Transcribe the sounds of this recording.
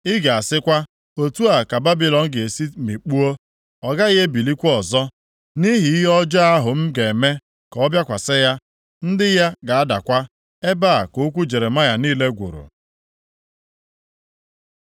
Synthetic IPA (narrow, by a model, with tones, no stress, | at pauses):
ɪ˦ɡa˨a˨sɪ˦kʷa˦ | o˨tu˦a˨ka˨ba˦bi˨lɔ˨ŋ̩˦ɡe˨e˨si˦mi˨k͡pu˦o˦ | ɔ˨ɡa˦ɪ˦ɦe˦bi˨li˦kʷɔ˨zɔ˦ | ni˦ɦi˨i˦ɦɔ˦d͡ʒa˦a˦ɦʊ˨m̩˦ɡe˨me˦ | kɔ˦bja˦kʷa˨sɪ˦ja˦ | n̩˦dɪ˦ja˦ɡa˨a˦da̰˨kʷa˦ | e˦ba˦a˨ko˨˦kʷu˦d͡ʒe˨ɾe˨ma˦ja˨niː˦le˦ɡʷṵ˨ɾṵ˨